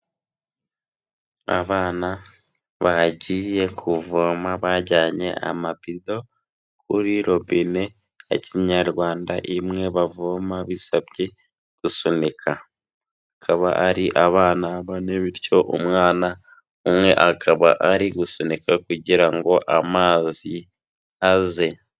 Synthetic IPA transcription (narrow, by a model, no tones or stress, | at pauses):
a̰βaːna | βaɟije̞kʰuvomaβaɟaːɲe̞̰a̰mapido̞ | kʰuɾiɾo̞βine̞ | ḛciɲaɾɡwaːndaʔimŋe̞βavomaβisaβɟe̞ | ɡ̥usonekʰa | akʰaβa̰ʔaɾiʔaβaːnaβaneβiɾco̞ʔṵmŋaːna | umŋe̞ʔakʰaβa̰ʔaɾiɡusonekakuɟiɾaŋɡo̞ʔamaːzi | aze̞